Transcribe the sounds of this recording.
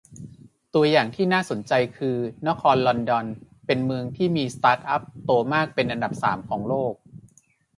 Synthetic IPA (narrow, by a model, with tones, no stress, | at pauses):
t̪u˧ɐjaː˨˩ŋt̪ʰiː˥˩naː˥˩so˩˦nt͡ɕa˧jkʰɯː˧na˦˥kʰɔː˧nlɔ˧ndɔ˧n | pe˧nmɯ˧əŋt̪ʰiː˥˩miː˧st̪aː˦˥t̪̚ʔa˦˥p̚t̪oː˧maː˥˩k̚pe˧nʔa˧nda˨˩p̚sa̰ː˩˦mkʰɔː˩˦ŋloː˥˩k̚